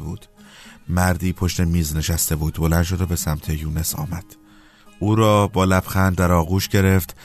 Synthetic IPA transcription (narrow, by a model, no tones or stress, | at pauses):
buːd̪̥mæɾd̪iːpʰo̞ʃt̪e̞miːzne̞ʃæst̪e̞buːd̪bo̞læːnd̪ʃ̬o̞d̪obe̞sæmt̪ʰe̞juːne̞sɒ̰ːmæd̪̥ | uːɾɒːbɒːlæpxænd̪d̪æɾɒːɣuːʃɟe̞ɾe̞ft̪